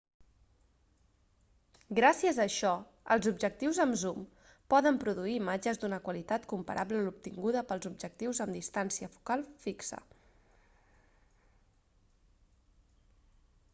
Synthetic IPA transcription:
ɡɾasiəzəːʃɔ | ə̰lˠzubʒək̚t̪iwzəmzum | pɔðəmpɾuðuiːmad͡ʒəzd̪unəkwəlit̪at̪kumpə̰ɾʔabləlup̚t̪iŋɡuðəpəlˠzub̚ʒək̚t̪iwzəmd̪ist̪ansiəfu̥kalˠfiksə̰

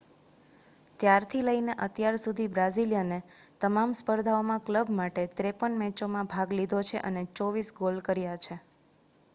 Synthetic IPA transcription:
t̪jaɾt̪ʰiləineʔət̪jaɾsud̪ʱibɾaziljənet̪əmamspəɾd̪ʱaomãkləbmaʈet̪ɾepənmɛ̃t͡ʃomãbʱaɡlid̪ʱot͡ʃʰeʔənet͡ʃɔʋisɡolkəɾjat͡ʃʰe

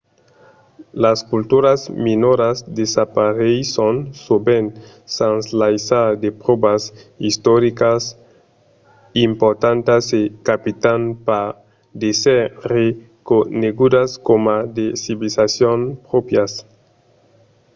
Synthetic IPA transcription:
laskult̪uɾazminoɾasd̪esapaɾejsonsoben | sanslajsad̪epɾobasist̪oɾikas | impoɾt̪ant̪asekapit̪anpa | d̪esere | koneɡud̪askomad̪esiβilisasjonpɾopjas

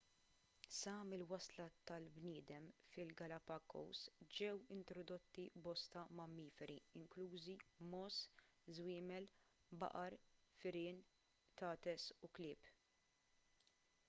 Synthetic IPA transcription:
sɐmɪlwɐslɐt̪ɐlbnɪːd̪ɛmfɪlɡɐlɐpɐkːɔ̰wsd͡ʒɛwɪnt̪ɾɔd̪ɔt̪ːibɔst̪ɐmɐmːiːfɛɾiɪŋkluːzimɔːszwɪːmɛlbɐ̰ʔɐɾfɪɾɪːn | t̪ɐːt̪ɛsuklɪːp

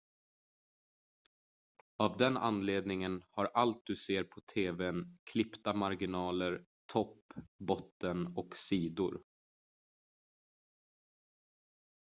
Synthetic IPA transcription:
avd̪ɛna̰nːleːd̪nɪŋənhaɾʔalt̪̚d̪ɵseːɾpʰɔt̪ʰeːvɛnkʰlɪpt̪amaɾɡɪnɑːləɾ | t̪ʰɔpːbɔt̪ːənɔksiːd̪ʊ̰ɾ

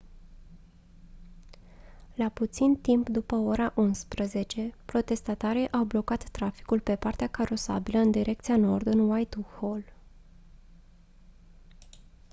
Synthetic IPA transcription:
laput̪sint̪impd̪upəo̞ɾaʔunspɾəze̞t͡ʃe̞pɾo̞t̪e̞st̪at̪aɾeʔawblo̞kat̪ːɾafi̥kulpe̞part̪eakaɾo̞sa̰biləɨnd̪iɾʔe̞kt̪sijano̞rd̪ɨnwajt̪uhol

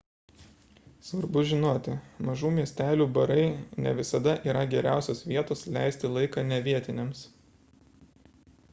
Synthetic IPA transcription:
sʋɐɾbʊʒʲɪnoːt̪ʲɪmɐʒuːmʲiɛsʲt̪ʲæːlʲuːbɐɾɐɪnʲɛ̰ʋʲɪsɐd̪ɐʔiːɾɐɡʲɛɾʲæˑʊsʲoːsʋʲiɛt̪oːslʲæ̰ˑɪsʲt̪ʲɪlˠɐɪkɑːnʲɛʋʲiɛt̪ʲɪnʲɛms

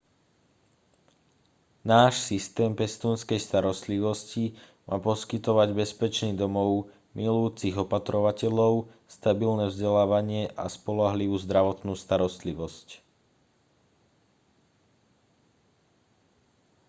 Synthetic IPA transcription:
naːʃsist̪ɛːmpɛst̪uːnskɛjst̪aɾɔst̪liʋɔsci | mʔa̰ːpɔskit̪ɔʋaɟbɛspɛt͡ʃniːd̪ɔmɔʊ | mʔilujuːt͡siɣɔpat̪ɾɔʋacɛʎɔʊst̪abilnɛvzɟɛlaːʋaɲɪɛʔaspɔlaɦliʋuːzd̪ɾaʋɔt̪nuːst̪aɾɔst̪liʋɔsc

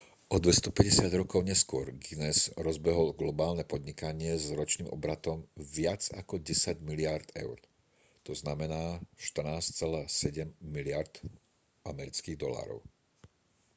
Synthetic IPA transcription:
ʔɔd̪ʋɛst̪ɔpɛɟɛsɪad̪ɾɔkɔʊɲɛskʊɔɾɡinɛzɾɔzbɛɦɔlɡlɔbaːlnɛpɔd̪ɲikaɲɪɛzɾɔt͡ʃniːmʔɔ̰bɾat̪ɔmʋɪad͡za̰kɔɟɛsaɟmilɪaɾd̪ɛ̰ʊɾ | t̪ɔznamɛnaːʃt̪rnaːst͡sɛlaːsɛɟɛmːilɪaɾd̪̥ | ʔamɛɾit͡skiːɣd̪ɔla̰ːɾɔ̰ʊ

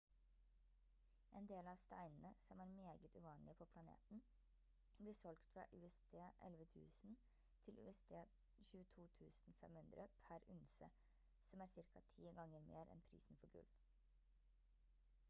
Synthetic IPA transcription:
ʔeːnd̪eːlɑːst̪æ̰ɪnn̩əsɔmæːɾmeːɡət̪ʰʉːʋɑːnlɪpʰoːpʰlɑnḛːt̪n̩ | bliːsɔlɡt̪fɾɑ̰ːʔʉːɛsd̪ʰeːʔɛ̰lʋət̪ʰʉ̰ːsn̩ | t̪ʰɪlʔʉ̰ːɛst̪ʰeː | çʉːət̪ʰuːt̪ʰʉːsn̩fɛ̰mhʉnd̪ɾəpʰæɾʉnsə | sɔmæːɾsɪɾkɑt̪ʰiːɡɑŋəɾmḛːɾʔɛ̰npʰɾḭːsn̩fɔɾɡʉ̰l

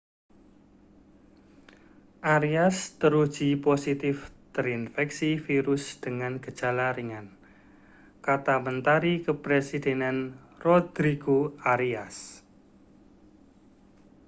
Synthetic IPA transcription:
ʔaɾiast̪əɾud̥ʒ̥i̤posit̪ɪft̪əɾinfɛksifiɾʊsd̪̥əŋanɡ̥əd̥ʒ̥a̤laɾiŋan | kat̪amənt̪aɾikəpɾesid̪̥e̤nanrod̪̥ɾiɡ̥oaɾias

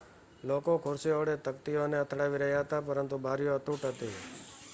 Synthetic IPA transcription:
lokokʰʊɾsiəʋɽet̪əkt̪ioneət̪ʰɽaʋiɾəɦjaɦət̪apəɾənt̪ubʱaɾijoət̪uʈɦət̪i

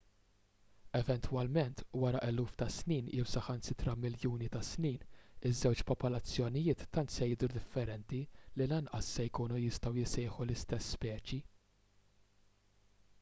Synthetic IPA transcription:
ɛvɛnt̪wɐlmɛnt̪wɐɾɐʔɛluːft̪ɐsniːnɪwsɐħɐnsɪt̪ɾɐmɪljuːnit̪ɐsniːnɪzːɛwt͡ʃpɔpɔlɐt͡sːjɔnɪjɪːt̪ːɐnt̪sɛjɪd̪uɾd̪ɪfːɛɾɛnt̪ililɐnʔɐsːɛjkuːnujɪst̪ɐwjɪsɛːħulɪst̪ɛsːpɛːt͡ʃi

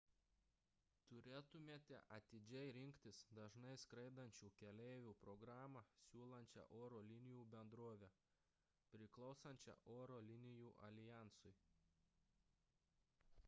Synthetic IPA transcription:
t̪ʊɾʲeːt̪ʊmʲeːt̪ʲɛ̰ʔɐt̪ʲɪd͡ʒʲɛɪɾʲɪŋʲkʲt̪ʲɪsd̪ɐʒnɐɪskɾɐɪd̪ɐnʲt͡ʃʲuːkʲɛlʲɛɪʋʲuːpɾɔɡɾɑːmɑsʲuːlˠɐnʲt͡ʃʲɛ̰ʔoːɾoːlʲɪnʲɪjuːbʲɛnd̪ɾoːʋʲɛ | pʲɾʲɪklˠɒʊsɐnʲt͡ʃʲɛ̰ʔoːɾoːlʲɪnʲɪjuːʔɐlʲɪjæˑnsʊɪ

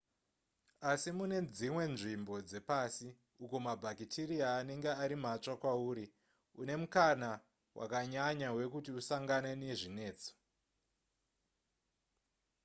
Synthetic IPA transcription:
asimune̞d͡zimwe̞nʐimbo̞d͡ze̞pasi | ukomabʱakitʰiɾiaːne̞ŋɡeaɾimat͡ʂakwauːɾi | une̞mukana | wʔa̰kaɲaɲawe̞kutiusaŋɡaneneʐine̞ːt͡so̥

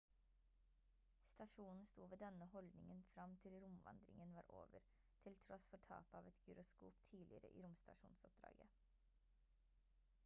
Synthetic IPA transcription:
st̪ɑʂuːnn̩st̪uːʋeːd̪ɛnəhɔld̪nɪŋənfɾɑmt̪ʰɪlɾʊmʋɑ̰nd̪ɾɪ̰ŋənʋɑːɾʔo̰ːʋə̰ɾ | t̪ʰɪlt̪ʰɾɔsfɔʈʰɑ̰ːpɑːʋɛt̪ɡʉɾʊskuːpt̪ʰiːlɪəɾə̰ʔḭːɾʊmst̪ɑʂuːnsɔp̚d̪ɾɑ̰ːɡə

